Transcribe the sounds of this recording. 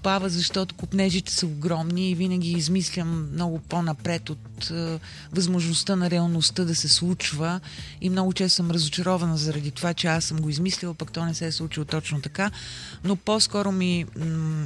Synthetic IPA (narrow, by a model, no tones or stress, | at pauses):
pavəzɐʃt̪ɔt̪okʊpnɛʒit̪ɛ̥səoɡɾɔmniːvinəɡʲiːzmislʲəmːnɔɡʊponɐpɾɛt̪ot̪ː | vɐzmoʒnost̪ənɐɾɛɐlˠnost̪əd̪ɐsɛslˠut͡ʃvə | imnɔɡʊt͡ʃɛst̪ːsəmɾɐzʊt͡ʃɐɾɔvɐnəzɐɾɐd̪it̪ovat͡ʃɛasːəmɡoizmislʲilˠpɐkt̪ɔnɛsɛslˠut͡ʃilˠt̪ɔt͡ʃnot̪ɐka | nopɔskɔɾʊmi